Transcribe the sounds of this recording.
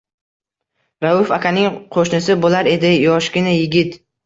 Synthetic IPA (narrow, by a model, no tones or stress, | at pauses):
ɾaʊfakʲʰanɪŋqʰoʃnɪsɪbolaɾe̞d̪ɪjɒʃɡʲɪnajɪɡʲɪt̪